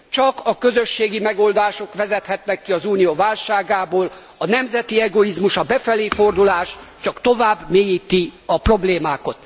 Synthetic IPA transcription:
t͡ʃɒkɒkø̞zø̞ʃːeːɡimɛɡo̞ːld̪aːʃo̞kʋɛzɛt̪hɛt̪nɛkːiɒzuːnijovaːlʃaːɡaːboːl | ɒnɛmzɛt̪iɛɡo̞izmuʃɒbɛfɛleːfo̞rd̪ulaːʃt͡ʃɒkt̪ovaːbːmeːjiːt̪iɒpro̞bleːmaːko̞t̪

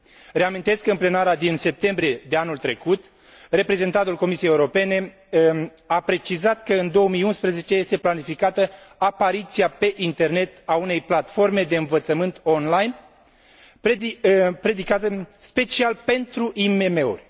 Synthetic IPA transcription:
re̞amint̪e̞skɨnple̞naɾad̪inse̞p̚t̪e̞mbɾije̞d̪eanult̪ɾe̞kut̪ | re̞pɾe̞ze̞nt̪ant̪ulko̞misijejeuɾo̞pe̞ne̞ | apɾe̞t͡ʃizat̪kəɨnd̪o̞omijunspɾəze̞t͡ʃe̞je̞st̪e̞planifikat̪əapaɾit̪siape̞ʔint̪e̞rne̞t̪aune̞jplat̪fo̞rme̞d̪e̞ɨnvət̪səmɨnt̪o̞nlajn | p | pɾe̞d̪ikat̪əspe̞t͡ʃialpe̞nt̪ɾuʔime̞me̞ṵrʲ

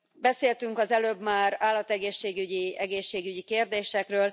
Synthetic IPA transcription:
bɛseːlt̪yŋkɒzɛløːbmaːraːlːɒt̪ɛɡeːʃːeːɡyɟiɛɡeːʃːeːɡyɟikeːrd̪eːʃɛkrøːl

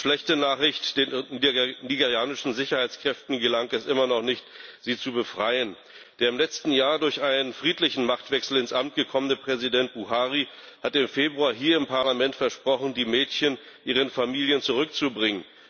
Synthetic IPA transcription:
ʃlɛçtənaːχɪçtd̥eːn | niɡeʁjaːnɪʃn̩zɪçɐhaɪt͡skʁ̥ɛftn̩ɡəlaŋɛsʔɪmɐnɔχnɪçtz̥iːt͡subəfʁ̥aɪən | d̥eːɐɪmlɛt͡stn̩jaːɐdʊɐçʔaɪnənfʁ̥iːtlɪçn̩maχtv̥ɛksl̩ɪnsʔamt̚ɡ̥əkʰɔmənəpʁ̥ɛzidɛnt̚b̥uhaːʁi | hatɪmfeːbʁuaːɦiːɐɪmpaɐlamɛntfɛɐʃpʁ̥ɔχn̩diːmɛːtçən | ʔiːʁ̞ənfamiːljənt͡suʁ̞ʏkt͡subʁɪŋən

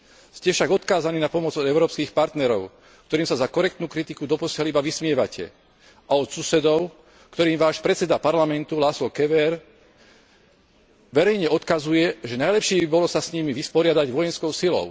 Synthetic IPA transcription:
scɛfʃaɡɔt̪kaːzaniːnapɔmɔd͡zɔd̪ɛʊɾɔːpskiːxpaɾt̪nɛɾɔʊ | k̚t̪ɔɾiːmsazakɔɾɛkt̪nuːkɾit̪ikud̪ɔpɔsɪɛlibaʋismɪɛʋacʰɛ̰ | ʔaɔt̪susɛd̪ɔʊ | kt̪ɔɾiːmʋaːʃpɾɛt͡sɛd̪apaɾlamɛnt̪ulaːslɔkɛʋɛɾ | ʋɛɾɛjɲɛɔt̪kazujɛʒɛnajlɛpʃiːbibɔlɔsasɲimiʋispɔɾɪad̪aɟʋɔjɛnskɔʊsilɔ̰ʊ

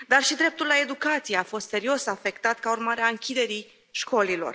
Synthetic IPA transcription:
d̪arʃid̪ɾe̞p̚t̪ulːae̞d̪ukat̪sijeafo̞st̪se̞ɾio̞safe̞kt̪at̪kaurmaɾeaɨŋkʲid̪e̞ɾi | ʃko̞lilo̞̰r

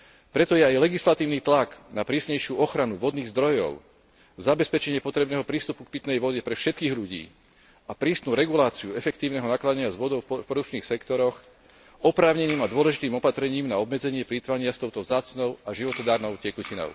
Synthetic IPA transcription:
pɾɛt̪ɔjɛajlɛɡislat̪iːʊnit̪laɡnapɾiːsɲɛjʃɪuɔxɾanuʋɔd̪niːɣzd̪ɾɔjɔ̰ʊ | zabɛspɛt͡ʃɛɲɪɛpɔt̪ɾɛbnɛːɦɔpɾiːst̪upuk̚pit̪nɛjʋɔɟɛpɾɛfʃɛt̪kiːɣʎuɟḭː | apɾiːst̪nuːɾɛɡulaːt͡siuɛfɛkt̪iːʊnɛɦɔnaːklad̪ɲɪazʋɔd̪ɔʊfpɔɾut͡ʃniːxsɛkt̪ɔɾɔx | ɔpɾaːʊɲɛniːmad̪ʊɔlɛʒit̪iːmɔpat̪ɾɛɲiːmnaɔbmɛd͡zɛɲɪɛpɾit̪ʋaɲɪast̪ɔʊt̪ɔvzaːt͡snɔʊaʒiʋɔt̪ɔd̪aːɾnɔʊcɛkucinɔ̰ʊ

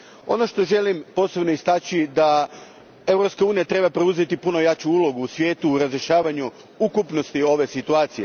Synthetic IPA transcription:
o̞̰no̞ʃt̪o̞ʒe̞limpo̞ːse̞bno̞ist̪at͡ɕid̪a | e̞vɾo̞pskauːnijat̪ɾe̞bapɾeuze̞t̪ipuno̞jat͡ɕuulˠo̞ɡuːsʋʲje̞ːt̪uːɾazɾeʃaːʋaɲu | ukupno̞st̪io̞ʋe̞sit̪uaːt̪sije̞̰

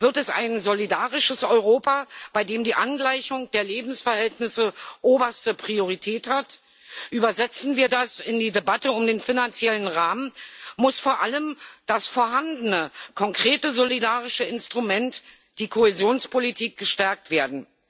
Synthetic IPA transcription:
v̥ɪɐtɛsa̰ɪnzolidaːʁɪʃəsʔɔʏʁoːpab̥aɪdeːmdiːʔanɡlaɪçʊŋd̥eːɐleːbm̩sfɛɐhɛltnɪsəʔoːbɐstəpʁ̥ioʁ̞itʰɛːthat | ʔyːbɐzɛt͡sn̩viːɐdasɪndiːdebatəʊmdeːnfinant͡sjɛlənʁaːmənmʊsfoːɐʔaləmd̥asfoːɐɦandənəkʰɔŋkʁ̥eːtəzolidaːʁɪʃəɪnstʁ̥umɛnt | d̥iːkʰoezjoːnspʰolitʰiːk̚ɡ̥əʃtɛɐk̚tv̥eːɐdn̩

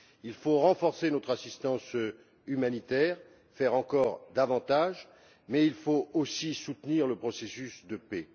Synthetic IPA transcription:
ilfoʁɑ̃fɔʁsenɔt̪χasist̪ɑ̃s | ymanit̪ɛʁ | fɛʁɑ̃kɔʁd̪avɑ̃t̪aʒ | mɛilfoosisut̪niʁləpχɔsesysd̪əpɛ

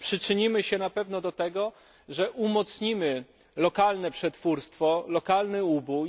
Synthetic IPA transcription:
pʂɘt͡ʂɘɲimɘɕɛnapɛvnɔd̪ɔt̪ɛɡɔ | ʐɛʔumɔt̪sɲimɘ | lɔkalnɛpʂɛt̪fuɾst̪fɔlɔkalnɘubuj

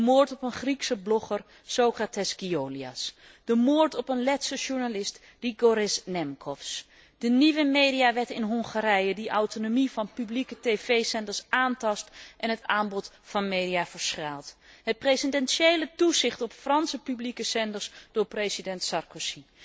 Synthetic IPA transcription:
dəmʊːɹtɔpənχriksəblɔχər | sowkratɛsɡioːlia̰s | d̥əmʊːɹtɔpənlɛtsəʒuɹnalɪst | d̥iɡɔɾɪsnɛmkʰɔfs | d̥əniʋəmejdijaʋɛɹtɪnɦɔŋχaɾɛjədiʔawtonomivɑnpyblikətejvejsɛndəɹsaːntɑstʔɛnɦətaːmbɔt | fɑnmejdiavəɹsχaːlˠtɦət̚prejsəndɛnsejlətuzɪχtɔpfrɑnsəpyblikəsɛndəɹsd̥ʊːɹprejsidɛntsɑrkosi

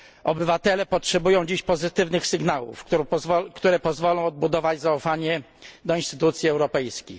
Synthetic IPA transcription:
ɔbɘvat̪ɛlɛpɔtʂɛbujɔ̃w̃d͡ʑiɕpɔzɘt̪ɘvnɘxsɘɡnawṵfkt̪uɾɛpɔzvɔlɔ̃w̃ɔd̪̚bud̪ɔvad͡ʑzaufaɲɛ | d̪ɔinst̪ɘt̪ut̪sʲjiɛwɾɔpɛjskʲix

